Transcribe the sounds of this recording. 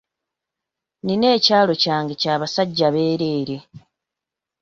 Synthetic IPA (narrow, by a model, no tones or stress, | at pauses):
nine̞ːcaːlo̞caːŋɡe̞caːβasaɟːaβe̞ːɾe̞ːɾe